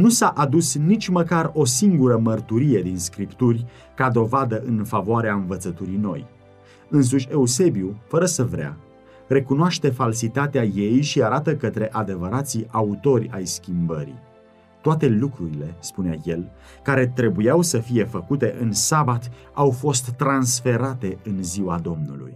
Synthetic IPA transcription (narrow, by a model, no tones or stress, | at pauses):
nusaʔad̪usnit͡ʃʲməkaro̞siŋɡuɾəmərt̪uɾije̞d̪inskɾipt̪urʲ | kad̪o̞vad̪əʔɨnfavoaɾeaɨnvət̪sət̪uɾino̞̰j | ɨns̬uʃʲe̞use̞biufəɾəsəvɾea̰ | re̞kunoaʃt̪e̞falsit̪at̪eaje̞jʃiaɾat̪əkət̪ɾe̞ʔad̪e̞vəɾat̪siʔaut̪o̞rʲajskʲimbəɾḭ | t̪oat̪e̞lukɾuɾile̞spunea̰je̞l | kaɾe̞t̪ɾe̞bujawsəfije̞fəkut̪e̞ʔɨnsabat̪awfo̞st̪ːɾansfe̞ɾat̪e̞ɨnziwad̪o̞mnṵlṵj